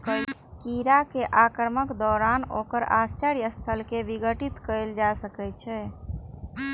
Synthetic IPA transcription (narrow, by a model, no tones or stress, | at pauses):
kəkiɾakeʔakəɾməkd̪ɔːɾanokəɾa̰st͡ʃəɾiəst̪ʰəlkeʋiɡəʈit̪kəɪld͡ʒasəkɛt͡ʃʰɛ